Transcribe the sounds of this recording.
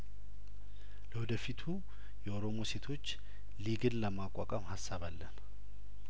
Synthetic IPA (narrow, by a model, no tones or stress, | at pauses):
ləwɔd̪əfit̪ʰu | jɛoɾo̞mo̞se̞t̪ʰo̞t͡ʃː | liɡɨnləmakʼːakʼamhasːaβalːən